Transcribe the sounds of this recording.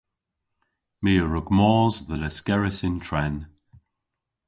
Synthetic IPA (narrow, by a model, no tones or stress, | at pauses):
miːəɹʊɡmɔːzðələskɛɹɪsɪntʰɹɛn